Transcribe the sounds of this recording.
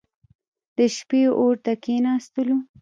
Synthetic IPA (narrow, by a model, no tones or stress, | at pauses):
d̪̥əʃpeʔoɾt̪akenɑst̪əlu